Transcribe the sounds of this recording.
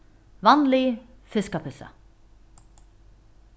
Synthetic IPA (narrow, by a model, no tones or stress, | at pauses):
ʋɑnlɪfɪskɑpʰʏsɑ̰